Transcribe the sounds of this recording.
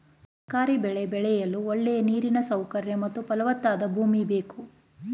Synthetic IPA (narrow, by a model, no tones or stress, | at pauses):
ɐkaːɾibɛɭebɛɭɛjɐlːuoɭːɛjɐniːɾinɐsɐwkɐɾjɐmɐt̪ːupɐlɐʋɐt̪ːaːd̪ɐbʱuːmibe̞ːku